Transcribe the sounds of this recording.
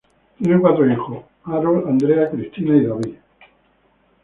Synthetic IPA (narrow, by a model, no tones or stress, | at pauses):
t̪inekwat̪ɾoixo | aɾoland̪ɾeakɾist̪ʰinaiðaβi